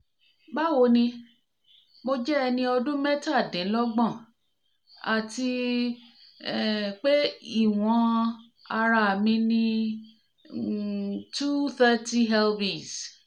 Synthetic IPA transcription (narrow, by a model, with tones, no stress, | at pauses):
ba˦wo˧nĩ˧ | mo˧d͡ʒɛ˦ɛ˧nĩ˧ɔ˧dũ˦mɛ˦ta˦˨dĩ˨˦lɔ˦ɡ͡bɔ̃˦˨ | a˨ti˧ | k͡pe˦i˦˨w̃ɔ̃˧˦ | a˧ɾa˧˨mĩ˧nĩ˧ | tu˦θɛ˦ti˦ɦɛ˦lbi˨s